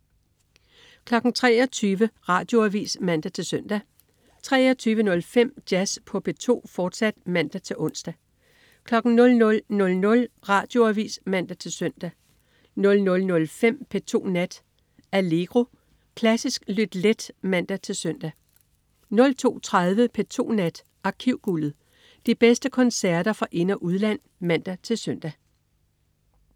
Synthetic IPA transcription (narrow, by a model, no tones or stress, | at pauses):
kʰlɒ̽ɡ̥ŋ̩t͡sʰʁɛ̰ːɒt͡sʰyːʋəʁɑ̈d̥jo̝æʋḭːsmæn̰d̥æt͡sʰe̝lsœn̰d̥æ | t͡sʰʁɛ̰ːɒt͡sʰyːʋənɔ̽lfem̰d̥jæspʰɒ̽pʰe̝t͡sʰo̝̰ːfɒːd̥sæd̥mæn̰d̥æt͡sʰe̝ʔɔ̽n̰sd̥æ | kʰlɒ̽ɡ̥ŋ̩nɔ̽lnɔ̽lnɔ̽lnɔ̽lʁɑ̈ːd̥jo̝æʋḭːsmæn̰d̥æt͡sʰe̝lsœn̰d̥æ | nɔ̽lnɔ̽lnɔ̽lfem̰pʰet͡sʰo̝̰ːnæd̥ | æle̝ɡ̥ʁo̝ | kʰlæsisɡ̥lyd̥led̥mæn̰d̥æt͡sʰe̝lsœn̰d̥æ | nɔ̽lt͡sʰo̝̰ːt͡sʰʁaðˠʋəpʰet͡sʰo̝̰ːnæd̥ | ʔɑ̈kʰiʊ̰ɡ̥ulð̩ˠ | d̥ib̥esd̥əkʰɒ̽nsæɐd̥ɐfʁɑ̈ʔe̝nɐʔuðˠlæn̰ | mæn̰d̥æt͡sʰe̝lsœn̰d̥æ